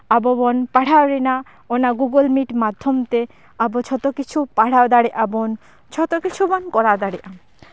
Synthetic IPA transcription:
abobɔnpaɽaoɾena | onaɡuɡolmiʈmad̪ʱːomt̪e | abot͡ɕʰɔt̪okit͡ɕʰupaɽ̤aod̪aɽeʔabon | t͡ɕʰɔt̪okit͡ɕʰubɔnkɔɾawd̪aɽeʔam

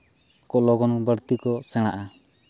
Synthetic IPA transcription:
kɔlɔɡɔnɔbəɾt̪ikɔsɛɽ̃aʔa

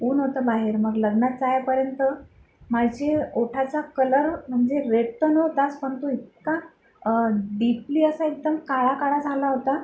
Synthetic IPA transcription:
uːnɦot̪əbaɦeɾməɡləɡnat̪t͡sajpəɾjənt̪ə | maɡd͡ʑeoʈʰat͡sakələɾm̤əɳd͡zeɾeɽt̪ənəɦot̪aspəɳt̪uit̪̚ka | ɖipliːəsaek̚d̪əmkaɭakaɭad͡zʱalaɦot̪a

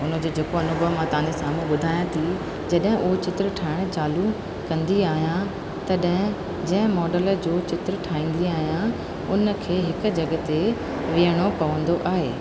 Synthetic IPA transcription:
ʊnə̆d͡ʑeːd͡ʑeːkoɐnʊbʱəʋmãt̪ɐʋɦãɲd͡ʑesaːmuɓʊd̪ʱaːjãt̪ʰi | d͡ʑɐɗɦɪ̃ʔuɦot͡ɕɪt̪ɾəʈʰaːɪɽ̃̆t͡ɕaːlu | kɐ̃nd̪iaːɦijã | t̪ɐɗɦɪ̃ | d͡ʑɐ̃ɦɪ̃mɔːɖələ̆d͡ʑoːt͡ɕɪt̪ɾəʈʰaːĩːnd̪iaːɦijã | ʊnə̆kʰeːɦɪkʊ̆d͡ʑɐɠət̪e | ʋiəɽ̃opɐʋə̃nd̪oʔaːɦeː

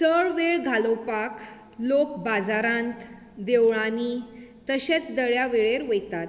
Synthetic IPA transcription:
t͡səɭʋeɭɡʱalopak | lokbad͡zaɾãnt̪ | d̪eʋɭanit̪əɕet͡sd̪əɭjaʋeɭeɾʋəjt̪at̪

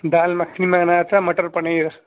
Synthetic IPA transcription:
d̪aːlmɐkʰnimaːnaːt͡samɐʈɐɾpɐɳejɾɐ

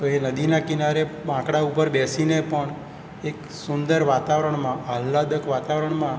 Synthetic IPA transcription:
t̪oenəd̪inakɪnaɾebãkɽaupəɾbɛsinepəɳ | ek | sʊnd̪əɾʋat̪aʋɾəɳmãʔəlːad̪əkʋat̪aʋɾəɳmã

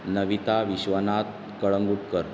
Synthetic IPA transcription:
nəʋit̪aʋiɕʋənat̪ | kəɭəŋɡuʈkəɾ

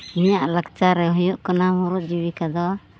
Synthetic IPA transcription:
iɲaʔlakt͡ʃaɾɛɦɔjɔʔkanamɔɾuʔ̚d͡ʒiwikad̪ɔa

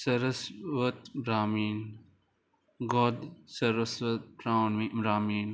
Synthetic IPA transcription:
sɐɾəsʋɐt̪bɾaːmiːn | ɡɔd̪sɐɾəsʋɐt̪̚pɾawnʋibɾaːmiːn

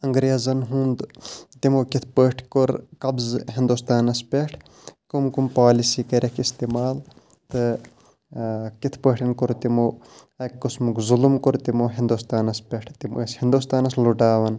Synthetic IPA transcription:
ɐŋɡɾeːzɐnɦũːnd̪t̪imoːkit̪ʰpəːʈʰkoɾkɐbzɦind̪ust̪aːnɐspʲeʈʰ | kumkumpaːlisiːkɐɾʲɐkist̪iːmaːl | t̪ɨ | kit̪ʰpəːʈʰɐnkuɾt̪imoː | ɐkːusmukzulumkuɾt̪imoːɦĩnd̪uːst̪aːnɐspʲeʈʰt̪iməːshind̪ust̪aːnɐsluʈaːʋɐn

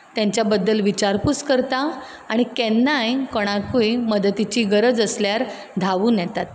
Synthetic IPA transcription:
t̪jaɲt͡ɕjabəd̪ːəlʋit͡ɕaɾput͡skəɾt̪aː | ɽ̃ikɛnːajkoɽ̃akujməd̪ət̪it͡ɕiːɡəɾəd͡zəsljaɾ | d̪ʱaʋuːnjɛt̪at̪

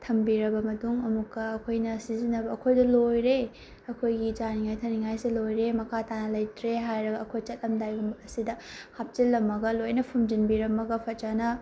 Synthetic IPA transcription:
tʰɐmbiɾɐbɐmɐtuŋɐmukːɐːkʰojnɐsizinɐbɐːkʰojdɐlojɾe | ɐkʰojɡid͡ʒaniŋajtʰɐniŋajsilojɾemɐkʰatanɐlɐjtɾeɦajɾɐɡɐːkʰojt͡ʃɐt̚lɐmdajbɐmɐsidɐhap̚t͡ʃilːɐmːɐɡɐlojnɐpʰumd͡ʒinbiɾɐmːɐɡɐpʰɐt̚t͡ʃanɐ

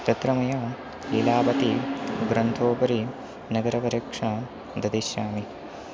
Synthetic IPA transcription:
t̪ɐt̪ɾɐmɐjɐ | leːlaːbɐt̪iɡɾɐnt̪ʰoːpɐɾi | nɐɡɐɾɐpɐɾɐkʂɐ | d̪ɐd̪iʃjaːmi

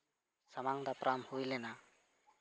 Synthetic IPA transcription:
samaŋd̪apɾʔamhujlena

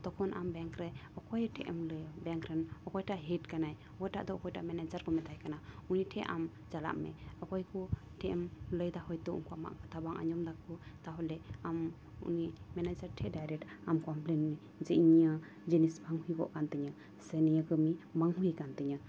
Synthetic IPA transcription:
d̪̥ɔkʰɔnʔa̰mbɛŋkɾɛɔkɔjʈʰɛʔɛmləbɛŋkɾɛnɔkɔjʈaʔɦiʈkanaj | ɔkɔjʈa̰ʔd̪ɔɔkɔjʈa̰ʔmɛnɛd͡ʒaɾkɔmɛt̪ajkanauniʈʰɛʔa̰m | d͡ʒala̰ʔmɛ̰ɔkɔjkɔ | ʈʰɛʔɛmləjd̪ahɔjt̪ɔṵŋkuama̰ʔkat̪ʰabaŋʔa̰ɲɔmd̪akʰɔt̪aɦɔlɛam | ṵnimɛnad͡ʒaɾʈʰɛɖajɾɛkʈamkɔmplɛnmɛ | d͡ʒɛʔɲa | d͡ʒinisbʱaŋhujbɔ̰ʔkant̪əɲa | sɛnɛjəɡəmimaŋɦujkant̪əɲa

